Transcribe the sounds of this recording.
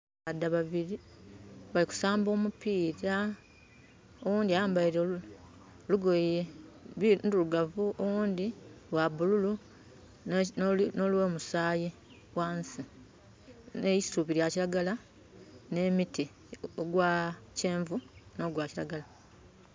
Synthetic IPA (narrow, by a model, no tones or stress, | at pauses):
adːaβaβiɾi | βaliku̥saːmbo̞ːmupiːɾa | o̞wũːndiajaːmbaiɾe | luɡojjeinduluɡavuʔowuːndiwabululu | nolwe̞ːmusaːji | waːnsi | nejisuβiɾjaciɾaɡala | ne̞miti | oɡwace̞ːɱvuno̞ɡwaːciɾa̰ɡala